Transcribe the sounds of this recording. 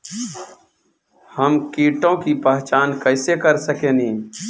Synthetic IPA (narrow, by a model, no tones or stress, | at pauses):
həmkiːʈõkipəɦt͡ʃaːnkəɪsekəɾsəkeːnĩː